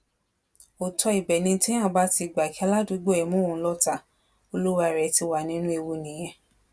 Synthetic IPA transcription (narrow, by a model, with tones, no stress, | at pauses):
o˨tɔ˧i˨bɛ˨nĩ˧˦tɛ̃˦ã˦˨ba˦ti˧˨ɡ͡ba˨ki˦a˧˦la˦du˨˦ɡ͡bo˦ɛ˨mũ˦õ˨˦lɔ˦ta˨ | o˧lu˦wa˧i˨ɾɛ˨ti˧wa˨nĩ˦nũ˦e˧wo˧nĩ˨j̃ɛ̃˧